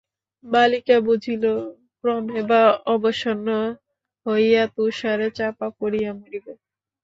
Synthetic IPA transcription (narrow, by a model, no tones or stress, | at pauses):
balikabud͡ʑʱilo | kɾɔmebaɔboʃonːo | hojat̪uʃaɾet͡ɕapakoɾijamiɾibe